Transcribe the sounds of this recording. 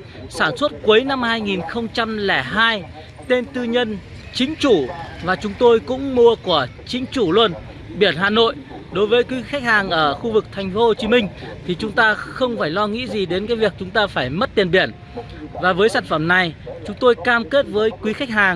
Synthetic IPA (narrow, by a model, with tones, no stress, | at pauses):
saː˧˩nswə˦˥t̚kwu˨˦jna˧mhaː˧jŋi˨˩nxə˧wŋ͡mt͡ɕa˧mlɛ˧˩ɦaː˧j | t̪e˧nt̪ɨ˧ɲə˧n | t͡ɕï˨˦ŋ̟t͡ɕu˧˩vaː˨˩t͡ɕʊ˨˦ŋ͡mt̪o˧jkʊ̰˧˥ŋ͡mmu˧əku˧˩ət͡ɕï˨˦ŋ̟t͡ɕu˧˩lwu˧n | ɓi˧˩ənɦa̰ː˧˨no̰˧˨j | ɗo˨˦jvəː˨˦jkwi˨˦xa˦˥k̟̚haː˨˩ŋʔəː˧˩xu˧vɨ˨˩k̚t̪ʰɛ˨˩ŋ̟fo˨˦ho˧˩t͡ɕi˨˦mï˧ŋ̟t̪ʰi˨˩t͡ɕʊ˨˦ŋ͡mt̪aː˧xə˧wŋ͡mfaː˧˩jlɔ˧ŋḭ˧˥zi˨˩ɗe˨˦nkaː˨˦jvi˨˩ək̚t͡ɕʊ˨˦ŋ͡mt̪aː˧faː˧˩jmə˦˥t̚t̪i˨˩ənɓi˧˩ən | vaː˨˩vəː˨˦jsaː˧˩n̟fə˧˩mna˨˩jt͡ɕʊ˨˦ŋ͡mt̪o˧jkaː˧mke˦˥t̚vəː˨˦jkwi˨˦xa˦˥k̟̚haː˨˩ŋ